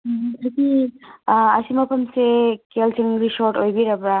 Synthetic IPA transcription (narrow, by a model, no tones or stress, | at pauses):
ɦaɾki | ɐsimapʰɐmsekelsiŋɾisoɾʈojbiɾabɾa